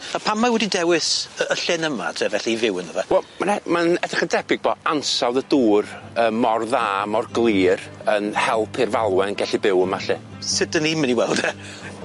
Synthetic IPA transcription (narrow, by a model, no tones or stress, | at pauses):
apʰamːawɛdidɛwɪsəəɬɪnəma̰tʰevɛɬivɪwənəvɛwɛlˠmanɛmanɛd̥rɪχəndɛbɪɡ̚bɔansawðəduːrəːmːɔrðaːmɔrɡlˠiːrənhɛlˠpʰɪrvalˠwɛnɡɛɬibɪwəmaɬɛn | sɪdəniməniwɛlˠd̥ɛ